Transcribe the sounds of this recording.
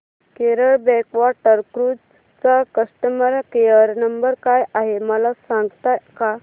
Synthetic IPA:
keɾəɭbɛkʋaʈəɾkɾud͡z | t͡sakəsʈəməɾkeəɾnəmbəɾkajʔaɦeməlasãŋɡt̪aka

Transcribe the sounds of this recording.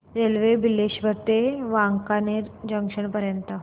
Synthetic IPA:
ɾelʋebileɕʋəɾt̪eʋaŋkaneɾd͡ʑəŋkʂəɳpəɾjənt̪ə

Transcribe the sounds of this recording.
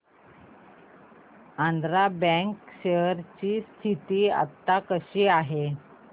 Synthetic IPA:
ãnd̪ɾabə̃ŋkɕeəɾt͡ɕiːst̪ʰit̪iːa̰t̪ːakəɕiːaɦe

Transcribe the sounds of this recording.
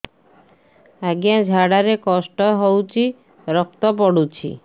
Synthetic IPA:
aɡijad͡ʑʱaɽaɾekɔsʈɔɦowt͡ɕi | ɾɔk̚t̪ɔp̬ɔɽut͡ɕʰḭ

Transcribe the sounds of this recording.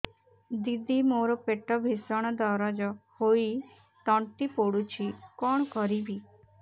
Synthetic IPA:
d̪id̪imoɾɔpeʈɔbʱisɔɽ̃ɔd̪ɔɾɔd͡ʒɔhoi | t̪ɔɳʈipoɽut͡ʃʰikɔɳ̃kɔɾibi

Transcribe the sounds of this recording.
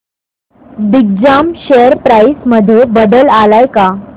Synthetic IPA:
d̪ik̚d͡ʑamɕejəɾpɾaisməd̪ʱjebəd̪əlalajka

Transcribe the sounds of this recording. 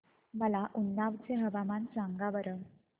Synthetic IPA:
məlaʔunːaʋt͡seɦəʋamant͡saŋɡaʋəɾəm

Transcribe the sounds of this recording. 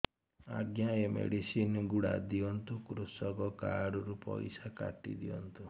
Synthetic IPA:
aɡjajɔmḛɽisinɡuɽa̰d̪iɔnt̪ukɾusɔɡɔkaɽuɾupɔ̰jsaka̰ʈḭd̪iɔnt̪u

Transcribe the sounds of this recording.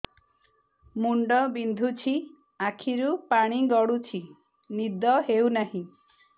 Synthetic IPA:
muɳɖɔbind̪ʱut͡ʃʰi | akʰiɾupaɽ̃iɡɔɽut͡ʃʰi | nid̪ɔɦewnaɦĩ

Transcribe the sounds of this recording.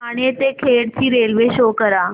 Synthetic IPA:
aɽ̃iet̪ekʰeɽt͡ɕiːɾelʋeɕokəɾa

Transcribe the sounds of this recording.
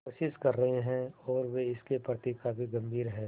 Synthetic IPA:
ʃɪskɐɾːɐɦeɦɛ̃ɔːɾʋeɪskepɾət̪ikaːfiɡɐ̃mbʱiːɾɦɛ̃ː

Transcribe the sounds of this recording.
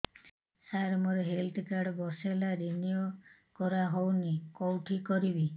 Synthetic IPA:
saɾmɔɾɔɦelt̪ʰkaɾɽbɔselaɾinijo | kɔɾaɦownikɔwʈʰikɔɾibi

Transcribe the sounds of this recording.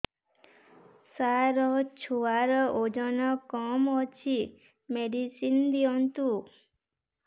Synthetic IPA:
saɾɔt͡ʃʰuaɾɔʔod͡ʒɔnɔkɔmɔt͡ʃʰi | meɖisind̪iɔnt̪u

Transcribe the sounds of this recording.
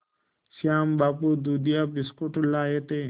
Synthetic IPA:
sjaːmbaːpud̪uːd̪ijaːpɪskoʈlaːjet̪e

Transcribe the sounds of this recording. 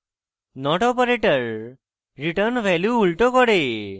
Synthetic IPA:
nɔʈɔpəɾeʈəɾ | ɾiʈəɾnʋɛljuːlʈɔkɔɽe

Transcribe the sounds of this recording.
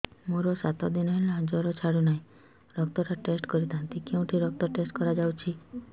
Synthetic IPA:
moɾosat̪ɔd̪inɔlad͡ʒɔɾɔt͡ʃʰaɽunaɦĩ | ɾɔk̚t̪ɔɾaʈesʈkɔɾit̪ʰãnt̪ikeũʈʰiɾɔk̚t̪ɔʈesʈkɔɾad͡ʒawt͡ʃʰi

